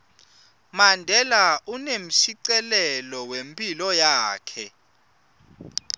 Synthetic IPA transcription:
mandʱɛlaunem̩ʃiǀɛlɛlɔwempʼilɔjaːkʰɛ

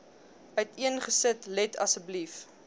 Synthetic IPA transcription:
œtiənχəsətlɛtʰɐ̰səblif

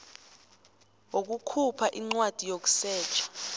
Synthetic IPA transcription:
wok̬ukʰupʰaʔiŋ͡ǀwad̥ʱijok̬u̥sɛːt͡ʃʰʼḁ

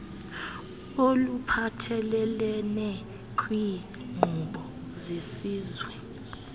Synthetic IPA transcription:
olupʰatʰɛlɛlɛnɛ | kʰʼwi | ŋ͡ǃʱuɓɔzesiːzwɛ

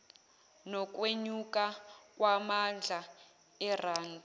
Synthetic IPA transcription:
nɔk̬ʼweɲukʼakʼwamand͡ɮʱa | ɛraːndʱa

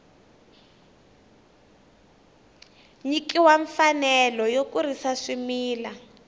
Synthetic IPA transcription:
ɲikiwaɱfanɛlɔjokuɾisaʂimiːla

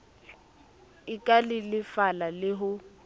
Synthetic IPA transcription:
ɪkʼalɪlɪfalalɪɦʊ

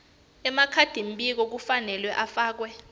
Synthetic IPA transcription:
ɛmakʰad̥ʱim̩ɓʼik̬ɔk̬ufanɛlwɛʔafaːk̬wɛ

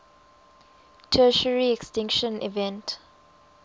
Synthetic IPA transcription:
tʰɜʃəɹiɛkstɪ̃ŋkʃə̃nḭvɛ̃nt

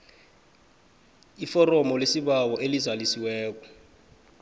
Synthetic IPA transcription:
ifɔrɔmɔlesiβawɔʔelizwalisiwɛːk̬ɔ

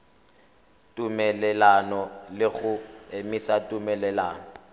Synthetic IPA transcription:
tʼumɛlɛlanɔlɪɣʊemisatʼumɛlɛla̰ːnɔ

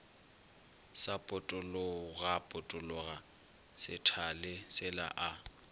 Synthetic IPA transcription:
sapʼʊtʼʊlʊɣapʼʊtʼʊlʊɣa | sɪtʰalɪsɪla̰ʔa

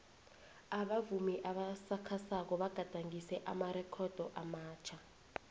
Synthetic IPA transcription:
aɓavumiʔaɓasakʰasak̬ɔɓaɡ̥ʱad̥ʱaŋisɛʔamarɛkʰɔd̥ʱɔʔamaːt͡ʃʰa

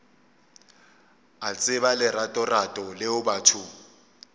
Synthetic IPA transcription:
at͡sʼɪβalɪratʼɔratʼɔlɪʊbatʰʊ

